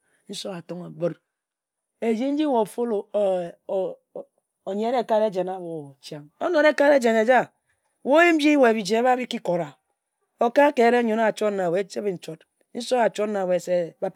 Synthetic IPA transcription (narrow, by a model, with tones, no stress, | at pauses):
n̩˦so˦a˨to˦ŋa˨bo˦ɾ | e˨d͡ʒi˦n̩˦d͡ʒi˦wo˨fo˦lo˨ | o˨ɲe˨˦ɾe˦˨ka˦ɾe˦d͡ʒe˨na˦˨wo˨t͡ʃja˨ŋo˦no˨ɾe˦ka˦ɾe˦d͡ʒe˨ne˨d͡ʒa˦ | wo˦ji˦m̩˦i˦we˨bi˨d͡ʒe˨˦βa˦bi˦ki˦ko˨ɾa˨ | o˨ka˦ke˨ɾe˦ɲo˨n˦˨t͡ʃo˦tna˨we˨˦t͡ʃe˦bi˨n̩˨t͡ʃo˦t | n̩˦so˦a˨t͡ʃo˦tna˨we˨se˦ba˦p